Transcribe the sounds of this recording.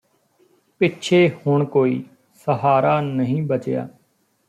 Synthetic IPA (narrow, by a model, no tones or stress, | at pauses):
pɪtːt͡ʃʰeːhʊɳkoːḭː | səɦaːɾaːnəɦĩːbət͡ʃja̰ː